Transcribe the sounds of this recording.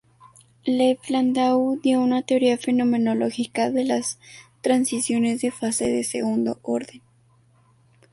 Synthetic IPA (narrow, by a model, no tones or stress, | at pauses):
lefland̪awðjounat̪e̞oɾiafe̞no̞mẽ̞no̞lo̞xikaðe̞last̪ɾansisjo̞ne̞zðe̞fase̞ðesḛɣund̪o̞̰ʔoɾðe̞n